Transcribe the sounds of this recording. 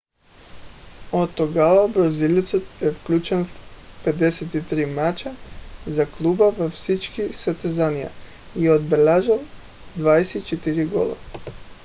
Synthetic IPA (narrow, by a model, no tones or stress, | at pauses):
ot̪ːɔɡavabɾazilit̪sɔt̪ɛfklʲut͡ʃɛnfpɛd̪ɛsɛt̪it̪ɾimat͡ʃazaklˠubavafsit͡ʃkisat̪ɛzanija̰ | iod̪̚bɛlʲaʒalˠ | d̪vaɛsɛit͡ʃɛt̪iɾiɡɔ̰lˠa̰